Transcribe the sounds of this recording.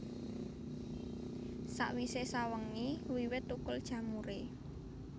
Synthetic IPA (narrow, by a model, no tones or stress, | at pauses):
sa̰ʔwisesawəŋːiwiwɪt̪ːukʊld̥ʒ̥ä̤muɾe